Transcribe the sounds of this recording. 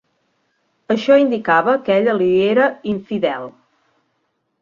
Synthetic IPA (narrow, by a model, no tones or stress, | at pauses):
əʃɔind̪ikaβəkɛʎəlieɾəiɱfiðɛlˠ